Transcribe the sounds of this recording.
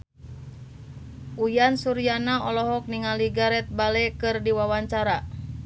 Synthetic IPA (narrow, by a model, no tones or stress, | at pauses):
ʔujansuɾianaɔlɔɦɔk̚niŋaliɡaɾɛt̪̚balɛkɨrdiwawaɲt͡ʃaɾa